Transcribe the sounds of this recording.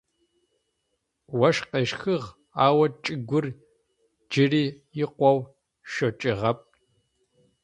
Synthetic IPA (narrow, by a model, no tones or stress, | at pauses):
wɐʃqeːʃxɨʁ | aːwɐt͡ʃʼɪɡʷʊr | d͡ʒɪriːjɪqʷɔw | ʃot͡ʃʼɪʁɐp̚